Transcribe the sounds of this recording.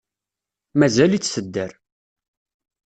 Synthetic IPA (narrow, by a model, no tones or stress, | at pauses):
mæzælit͡sːsəd̪ːəɾ